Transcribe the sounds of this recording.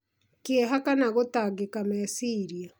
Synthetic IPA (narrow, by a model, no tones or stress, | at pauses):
keːɦakanaɣotaɡekamɛsiːɾia